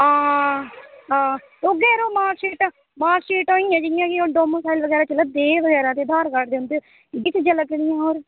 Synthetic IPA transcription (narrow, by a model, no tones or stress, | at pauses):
ãː | ɦãːt̪oːɡɛːɾoːmaːʃiːʈ | maːʃiːʈoːiːɛ̃ːd͡ʒɪjãːkɪoːɖoːmõːsaːɪlʋəɡɛːɾaːt͡ʃələd̪eːʋəɡɛːɾãːt̪eːd̪ʱaːɾkəʈd̪eʊnd̪e | ɪɡɪt͡ʃʰd͡ʒələkːlɪjãːɦoːɾ